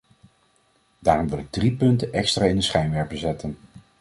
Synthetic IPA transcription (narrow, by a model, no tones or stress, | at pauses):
d̥aːrɔmʋɪlˠɪɡ̚dripɵntənʔɛkstraːɪndəsχɛjmʋɛɹpəzɛtən